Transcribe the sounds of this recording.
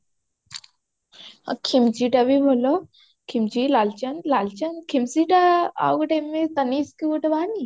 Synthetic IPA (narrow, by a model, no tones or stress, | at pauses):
ɐ̰kʰimd͡ʒiʈɐbibʱolo | kʰimd͡ʒilalt͡ʃɐnlalt͡ʃɐnkʰimsiʈaa̰ɡʈemit̪ɐniskiuʈebaːni